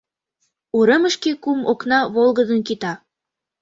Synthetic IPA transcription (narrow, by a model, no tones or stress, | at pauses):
uɾəməʃkekumoknɑβolˠɣəd̪ənkit̪ɑ